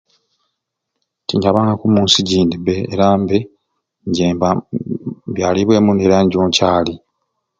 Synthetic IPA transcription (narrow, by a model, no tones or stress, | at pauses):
tiɲɟaβaːŋɡakumuːnsiɟiːndibeḛɾaːmbe | ɲɟeːmba | bjaːliβwe̞ːmuneɾaɲɟo̞ːɲcaːli